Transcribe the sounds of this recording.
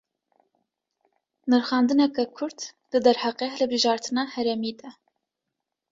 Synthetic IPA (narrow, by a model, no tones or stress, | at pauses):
nɨɾxɑːnd̪ɨnɛkɛkʰʊɾt̪lɨd̪ɛɾhɑqehɨlhɨbɨʒɑːɾt̪ʰɨnɑːhɛɾɛmiːd̪ɛ